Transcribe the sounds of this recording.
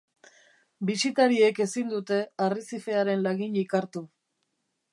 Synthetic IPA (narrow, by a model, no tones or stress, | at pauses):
bisit̪aɾie̞ke̞sind̪ut̪e̞arisife̞aɾe̞nlaɣiɲikaɾt̪u